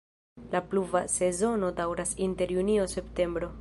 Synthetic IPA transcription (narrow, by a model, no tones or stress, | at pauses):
lapluvase̞zo̞no̞dawɾasinte̞ɾjuniose̞pte̞mbɾo̞